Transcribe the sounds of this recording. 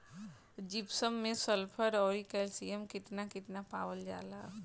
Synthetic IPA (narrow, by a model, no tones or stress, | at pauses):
d͡ʒɪpsəmːẽsəlpʰəɾɔːɾikɛlsiəmkɪt̪nakɪt̪napaːwəld͡ʒa̰ːla